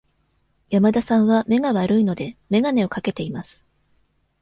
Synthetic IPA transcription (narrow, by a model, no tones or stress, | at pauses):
jamad̪asãɰ̃βame̞ɡaβaɾɯ̟ino̞d̪e̞me̞ɡane̞o̞kake̞t̪e̞imasɨ̥